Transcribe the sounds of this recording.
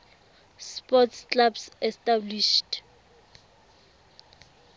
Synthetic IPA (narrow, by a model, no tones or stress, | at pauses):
spɔtskabsɛstabliʃt